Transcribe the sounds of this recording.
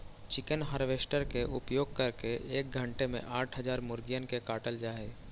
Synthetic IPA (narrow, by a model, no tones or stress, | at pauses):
t͡ʃɪkənɦaːɾʋeːsʈəɾkeʔʊpjoːɡ̚kɐɾkeʔeːk̚ɡʱə̃ɳʈemḛ̃ʔaːʈʰɦəd͡ʒaːɾmʊɾɡijənkekaːʈəld͡ʒaːe